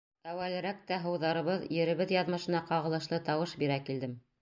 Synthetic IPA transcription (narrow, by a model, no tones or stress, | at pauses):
æwælɘ̆ɾæk̚t̪æɦɤ̆wðɑɾɤ̆βɤðjɘ̆ɾɘ̆βɘðjɑðmɤ̆ʃɤ̆nɑqɑʁɤ̆lˠɤ̆ʃlˠɤt̪ɑwɤʃbiɾækild̪ɘm